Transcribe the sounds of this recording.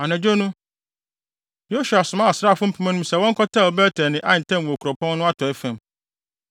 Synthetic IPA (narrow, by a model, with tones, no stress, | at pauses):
a˨næ̃˨d͡ʑo˦nʊ̃˦ | jo˦ɕu˨a˨sʊ˨mã˦a˨sɾaː˦˨fʊ̃˦m̩˦pʰu˦mɛ̃˦nʊ̃˦msɛ˨wɔ̃˦ŋ̩˦kʰɔ˦tʰa˦˨ɔ˨bɛ˦tʰɛ˨nɪ̃˨ʔã˦˨n̩˨tʰɛ̃˦mwɔ˨kʰɾɔ˨pʰɔ̃˦nː˦ʊ̃˦a˦tʰɔ˨ɛ˦fæ̃˨m